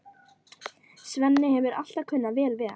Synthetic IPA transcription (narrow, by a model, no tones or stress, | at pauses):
svɛnːɪhɛvʏɾa̰l̥t̪akʰʏnːavɛːlvɛːa